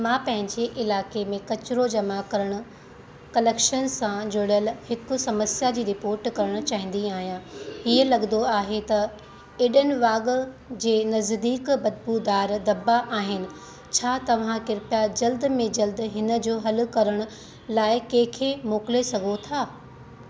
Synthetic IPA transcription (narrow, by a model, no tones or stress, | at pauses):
mãːpɐ̃ɦɪ̃ɲd͡ʑeʔɪlaːkemẽkɐt͡ɕɾod͡ʑɐmakɐɾəɽ̃ʊ̆ | kɐleːkʃənsãd͡ʑoɽəlhɪkʊ̆sɐməsjad͡ʑiːɾɪpoːɾʈkɐɾəɽ̃ʊ̆t͡ɕaːɦɪ̃n̆d̪iaːɦijãiːəlɐɠənd̪oaːɦet̪ɐ | ɪɗənɪ̆ʋaːɡ | d͡ʑeːnɐzd̪iːkbɐd̪̚pud̪aːɾd̪ɐbaʔaːɦɪnɪ̆ | t͡ɕʰaːt̪ɐʋ̤ãkɪɾpjad͡ʑɐld̪mẽd͡ʑɐld̪ɦɪnə̆d͡ʑoːɦɐlʊ̆kɐɾəɽ̃ʊ̆ | laːɪkẽɦkʰemoːkɪlesɐɡʱot̪ʰaː